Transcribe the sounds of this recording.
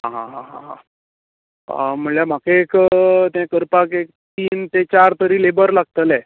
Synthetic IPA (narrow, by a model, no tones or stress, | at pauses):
ɦãɦãɦãɦãɦã | m̤əɳljam̤akeekt̪ãkəɾpakektt̪iːnt̪et͡ɕaɾt̪əɾiːlebəɾlaɡ̚t̪əlɛ